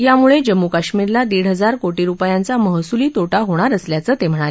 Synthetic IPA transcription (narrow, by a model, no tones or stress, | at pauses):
jamuɭed͡ʑəmːukaɕmiɾlad̪eɽɦəd͡zaɾkoʈiːɾupjãnt͡saməɦsuliːt̪oʈaɦoɽ̃aɾəsljat͡səːt̪em̤əɽ̃ale